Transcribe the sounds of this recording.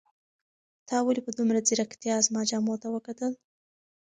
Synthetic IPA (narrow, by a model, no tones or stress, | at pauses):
t̪ʰɑwalipəd̪umɾad͡ziɾakt̪ijɑzmɑd͡ʒɑmot̪awəkat̪əl